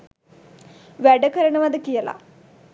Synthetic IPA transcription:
ʋeɖɐkɐɾɐɳuʋɐd̪ɨkijɐlɐ̰

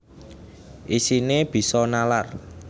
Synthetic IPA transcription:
ʔisineb̥i̤sɔnalar

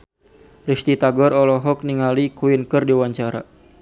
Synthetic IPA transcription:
rist̪it̪aɡɔɾɔlɔɦɔk̚niŋalikuinkɨrdiwaɲt͡ʃaɾa̰

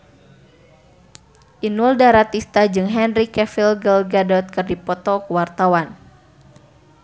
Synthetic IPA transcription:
ʔinuldaɾat̪ist̪ad͡ʒɨŋɦɛnrikɛfilɡəlɡadɔt̪̚kɨrdipɔt̪ɔkuwart̪awan

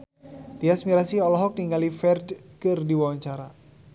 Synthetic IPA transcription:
t̪iasmiɾasiɔlɔɦɔk̚niŋalifɛrdkɨrdiwawaɲt͡ʃaɾa̰

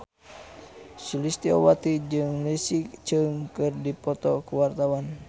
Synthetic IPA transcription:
sulist̪iɔwat̪id͡ʒɨŋlisikt͡ʃəŋkɨrdipɔt̪ɔkəwart̪awan

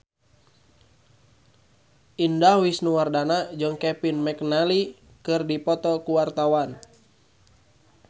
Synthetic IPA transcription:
indawisnuwardanad͡ʒəŋkɛpinmɛknali | kɨrdipɔt̪ɔkuwart̪awan

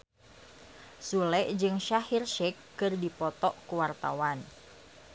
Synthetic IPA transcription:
sulɛʔd͡ʒɨŋʃahirʃɛkːɨrdipɔt̪ɔʔkuwart̪a̰wan

